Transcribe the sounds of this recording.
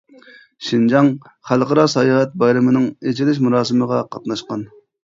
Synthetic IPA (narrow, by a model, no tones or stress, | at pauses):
ʃind͡ʒɑŋ | χælˠqɑɾɑsɑjɑːɦɛt̪̚bɑjɾɨmɨnɨŋet͡ʃʰilɪʃ̬muɾɑːsɨməʁɑqʰɑt̪nɑʃqɑn